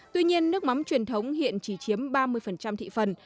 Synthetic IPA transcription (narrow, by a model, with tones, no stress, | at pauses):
t̪wi˧ɲi˧ənːɨ˦˥ək̚ma˨˦mt͡ɕwi˨˩ənt̪ʰə˨˦wŋ͡mhḭ˧˨ənt͡ɕi˧˩t͡ɕi˨˦əmɓaː˧mɨ˧əjfə˨˩nt͡ɕa˧mt̪ʰḭ˧˨fə˨˩n